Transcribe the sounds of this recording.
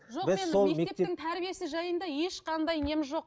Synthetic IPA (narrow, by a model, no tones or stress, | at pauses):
ʒobɪzenːo̞lˠeme̞k̪et̪eɪŋt̪ʰæɾbije̞sɪʒɑjənd̪ɑjeʃqʰɑnd̪ɑjnemɪʒo̞q̚